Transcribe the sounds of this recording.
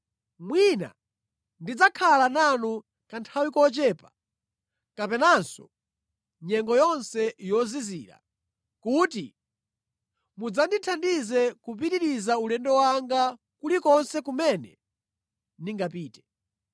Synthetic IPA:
mwina̰ | ndid͡zakʰalananu | kantʰawikɔt͡ʃɛːpḁ | kapɛnansɔ̰ | ɲɛŋɡɔjɔnsɛjɔzizḭːɾa̰ | kuːti | mud͡zanditʰandizɛkup̬itiɾizaulɛndɔwaŋɡa | kulikɔnsɛkumɛnɛ̰ | niŋɡapiːtɛ̥

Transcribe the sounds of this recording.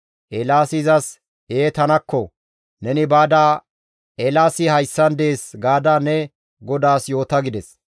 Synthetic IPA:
ʔɛlaːsɪzɐs | eːt̪ɐnɐkːɔ | nɛnɪbaːd̪aː | ʔɛlaːsɪhɐjsːɐnd̪e̞ːsɡaːd̪aːnɛ | ɡɔd̪aːsjo̞ːt̪ɐɡɪd̪ɛs

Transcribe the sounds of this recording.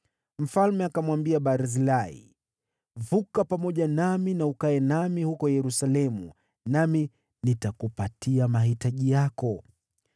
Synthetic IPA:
m̩falmɛakamwambiaɓaɾazilaḭ | vukapamɔʄanaminaukaɛnamihukɔjɛɾusalɛmu | nami | nitakupatiamaɦitaʄijakɔ

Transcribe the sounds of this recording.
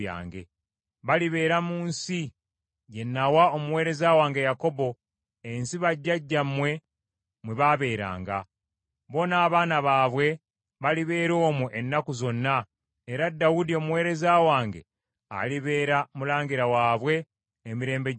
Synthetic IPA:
ja̰ːŋɡe̞̰ | βaliβe̞ːɾamuːnsi | je̞nːawao̞muwe̞ːɾe̞zawaːŋɡe̞jako̞bo̞ | ensiβaɟːaɟːamwe̞ | mweβaβe̞ːɾa̰ːŋɡa̰ | βo̞naːβaːnaβaːβwe̞ | βaliβe̞ːɾo̞ːmuʔenːakuzo̞nːa | eɾadːawudio̞muwe̞ːɾe̞zawaːŋɡe̞̰ | a̰liβe̞ːɾamulaːŋɡiɾawaːβwe̞ː | miɾe̞ːmbe

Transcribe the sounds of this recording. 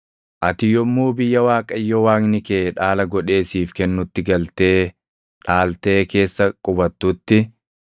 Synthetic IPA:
ʔɐt̪ɪjɔmːuːbɪjːɐwaːkʼɐɪjːɔwaːknɪkeːᶑaːlɐɡɔᶑe̞ːsiːfkɛnːʊt̪ːɪɡɐlt̪e̞ː | ᶑaːlt̪e̞ːke̞ːsːɐkʼʊbɐt̪ːʊt̪ːɪ

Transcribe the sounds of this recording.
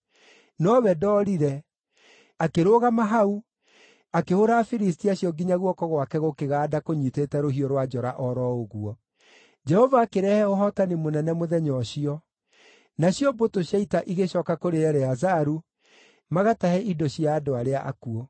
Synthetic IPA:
nɔβɛdɔːɾiɾɛ | akeɾoɣamaɦau | akehoɾaːfiɾistiaɕjɔɡiɲaɣwɔkɔɣwakɛɣokeɣaːdakoɲiteːtɛɾoɦiɔɾwad͡ʒɔɾaʔɔɾɔoɣuɔ | d͡ʒɛhɔvaːkeɾɛhɛoɦɔtanimonɛnɛmoðɛɲɔɕiɔ | naɕjɔbotoɕjaitaʔiɣeɕɔkakoɾeɛɾɛazaɾu | maɣatahɛidɔɕiaːdoaɾeaʔa̰kuɔ

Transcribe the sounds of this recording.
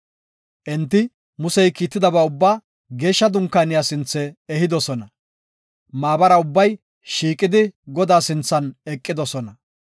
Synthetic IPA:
ʔɛnt̪ːɪ | mʊsɛjkiːt̪ːɪd̪ɐbɐːʊbːaː | ɡe̞ːʃːɐd̪ʊŋkːaːnɪjaːsɪnt͡sːɛːhɪd̪ɔsɔnɐ | maːbɐɾɐʊbːɐj | ʃiːkʼːɪd̪ɪɡɔd̪aːsɪnt͡sːɐnɛkʼːɪd̪ɔsɔnɐ

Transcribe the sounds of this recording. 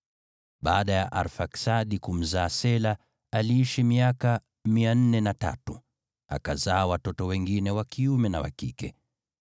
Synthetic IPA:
ɓaːɗajaʔaɾfaksaɗikum̩zaːsɛla | aliiʃimiaka | mian̩nɛnata̰tu | a̰kazaːwatɔtɔwɛŋɡinɛwakiumɛnawa̰kḭkɛ

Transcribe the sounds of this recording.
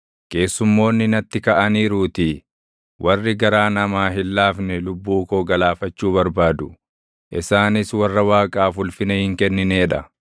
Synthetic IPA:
ke̞ːsːʊmːo̞ːnːɪnɐt̪ːɪkɐʔɐniːɾuːt̪ɪ | wʔɐrːɪɡɐɾaːnɐmaːɦɪlːaːfnɛlʊbːuːkoːɡɐlaːfɐt͡ʃːuːβɐɾbaːd̪ʊ | ʔɪsaːnɪswɐrːɐwaːkʼaːfʊlfɪnɛhɪŋkɛnːɪneːᶑɐ

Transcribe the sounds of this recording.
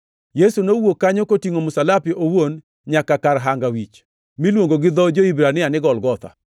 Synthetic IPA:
jesunowokːaɲokotiŋomʊsalapɪʔowon | ɲakakaɾɦaŋɡawit͡ʃ | milwoŋɡoɡɪd̪ɔd͡ʒoibɾanɪanɪɡɔlɡɔt̪a̰

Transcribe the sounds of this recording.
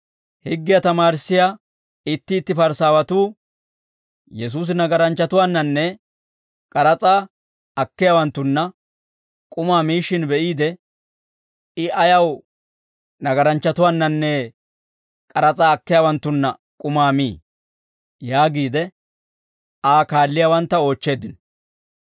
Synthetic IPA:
hɪɡːɪjɐt̪ɐmaːɾɪsːɪja | ɪt̪ːɪːt̪ːɪpɐɾsaːwɐt̪uː | jɛs̬uːs̬ɪnɐɡɐɾɐnt͡ʃːɐt̪ʊwaːnːɐnːɛ | kʼɐɾɐt͡sʼaː | ɐkːɪjaːwɐnt̪ːʊnːɐ | kʼʊmaːmiːʃɪnbɛʔiːd̪ɛ | ɪʔɐjɐw | nɐɡɐɾɐnt͡ʃːɐt̪ʊwaːnːɐnːɛ | kʼɐɾɐt͡sʼaːkːɪjaːwɐnt̪ːʊnːɐ | kʼʊmaːmiː | jaːɡiːd̪ɛ | aːkaːlːɪjaːwɐnt̪ːɐo̞ːt͡ʃːe̞ːd̪ɪnɔ

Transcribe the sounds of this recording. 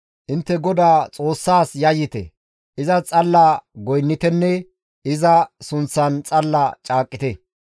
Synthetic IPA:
ʔɪnt̪ːɛɡɔd̪aːt͡sʼo̞ːsːaːsjɐjːɪt̪ɛ̰ | ʔɪzɐt͡sʼɐlːaɡɔjnːɪt̪ɛnːɛ | ɪzɐsʊnt͡sːɐnt͡sʼɐlːɐt͡ʃʼaːkʼːɪt̪ɛ

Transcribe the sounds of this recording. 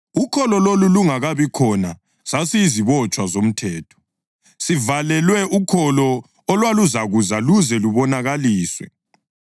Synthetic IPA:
ukʰɔlɔloluluŋaɣaβikʰɔna | sasiziβɔt͡ʃʼwazom̩tʰɛːtʰɔ̥ | sivalɛlwɛʔukʰɔlɔ | ɔlwaluzaɣuzaluzɛluβɔnaɣaliːswɛ̰

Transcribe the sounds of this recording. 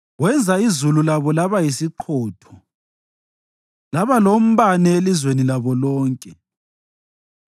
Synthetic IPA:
wɛnd͡zʱaizululaβɔlaβajisiǃʰɔːtʰɔ | laβalom̩βanɛelizwenilaβɔlɔːŋkʼɛ

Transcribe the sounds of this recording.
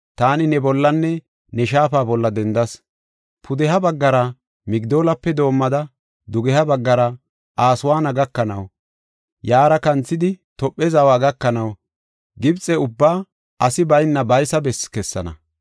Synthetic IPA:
t̪aːnɪnɛbɔlːɐnːɛ | nɛʃ̬aːfaːbɔlːɐd̪ɛnd̪ɐs | pʰʊd̪ɛɦɐbɐɡːɐɾɐ | mɪɡd̪o̞ːlɐpːɛd̪o̞ːmːɐd̪ɐ | d̪ʊɡɛhɐbɐɡːɐɾɐ | aːsʊwaːnɐɡɐkːɐnɐ̰w | jaːɾɐkɐnt͡sːɪd̪ɪt̪ɔpʼːɛzɐwaːɡɐkːɐnɐw | ɡɪbt͡sʼɛʊbːaː | ɐsɪbɐjnːɐbɐjsɐbɛskɛsːɐ̰nɐ̰

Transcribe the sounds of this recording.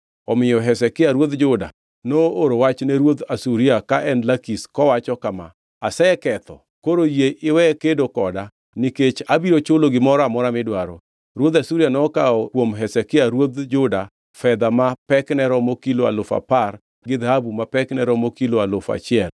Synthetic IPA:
ɔmɪjɔɦɛsɛkɪaɾwod̪d͡ʒʊda̰ | nooɾowat͡ʃnɛɾwot̪asuɾiakaʔɛnlakiskɔwat͡ʃɔkama̰ | asɛɛkɛt̪ɔ̰ | koɾojeʔɪwɛkedokɔda | niket͡ʃabiɾot͡ʃʊloɡɪmɔɾɔamɔɾamɪdwaɾo | ɾwod̪asuɾianɔkaɔkwomɦɛsɛkɪaɾwod̪d͡ʒʊda | fɛd̪amapɛknɛɾɔmokiloa̰lʊfa̰par | ɡɪd̪ahabumapɛknɛɾɔmokiloalʊfa̰t͡ʃɪɛl

